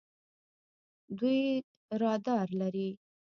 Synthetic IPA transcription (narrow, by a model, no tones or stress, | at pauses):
d̪uj | ɾɑd̪ɑɾlaɾi